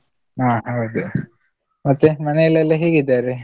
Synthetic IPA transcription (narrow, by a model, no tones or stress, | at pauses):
aːɦɐwd̪u | mɐt̪ːemɐnejɐlːɐlːɐɦiːɡid̪ːaːɾe